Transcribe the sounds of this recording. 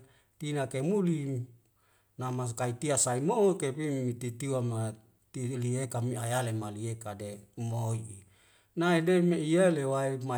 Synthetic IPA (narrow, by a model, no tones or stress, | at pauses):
t̪inakemuli | namaskait̪iasaimoukepimit̪it̪iwama | t̪iliekamiajalemaliekademoii | naidemeijalewaima